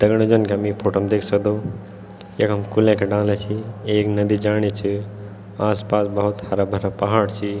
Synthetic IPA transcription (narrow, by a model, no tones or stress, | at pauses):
d̪̥ɐɡɽ̃od͡ʒɐnkeɐmipʰoːʈomd̪eːkʰsəkd̪o | jɐkɦɐmkulẽkʰeɖãːlet͡ʃʰieːknɐd̪id͡ʒaːɽ̃et͡ʃi | aːspaːsbɐɦʊt̪hɐɾabʱɐɾapɐɦaːɽt͡ʃʰi